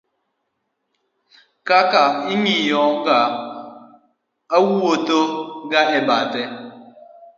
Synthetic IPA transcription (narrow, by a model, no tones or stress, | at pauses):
kakaimijɔŋ̩ɡa | awuwotoɡaɦɛbatɛ